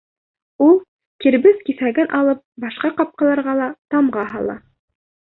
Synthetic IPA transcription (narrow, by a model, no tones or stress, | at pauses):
ulˠ | kiɾbɘðkiθæɡænʔɑlˠɤp̚bɑʃqɑqɑp̚qɑlˠɑɾʁɑlˠɑt̪ɑmʁɑɦɑ̰lˠɑ̰